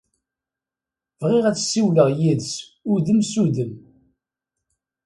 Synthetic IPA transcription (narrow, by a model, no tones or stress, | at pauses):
vʁiʁæt͡sːsːiwləʁjiðs | uðəmsuðəm